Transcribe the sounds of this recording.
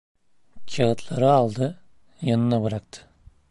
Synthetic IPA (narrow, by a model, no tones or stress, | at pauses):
t͡ʃʰaɣɯt̪ʰlˠaɾɯalˠd̪ɯ | janɯnabɯɾak̚t̪ʰɯ̥